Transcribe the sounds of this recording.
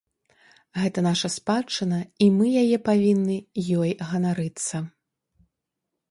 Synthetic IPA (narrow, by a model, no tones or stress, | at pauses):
ɣɛt̪ɐnaʂɐspat͡ʂːɨnɐimɨjajɛpavʲinːɨjɔjɣɐnaɾɨt̪sːɐ